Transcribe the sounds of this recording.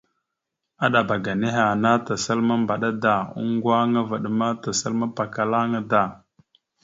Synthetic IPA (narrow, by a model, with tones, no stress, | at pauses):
a˦ɗa˨ba˨ɡa˨ne˦ɦa˨na˦ta˨sa˦lma˦mba˨ɗa˦da˦˨ṵ˦ŋ˦ɡwa˦ŋa˦va˨ɗə˨ma˦ta˨sa˦lma˦pa˨ka˨la˦ŋa˦da˦˨